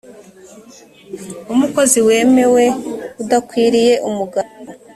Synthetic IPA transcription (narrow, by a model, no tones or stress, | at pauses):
umuko̞ziwe̞ːme̞we̞udakwiːɾije̞ʔumuɡao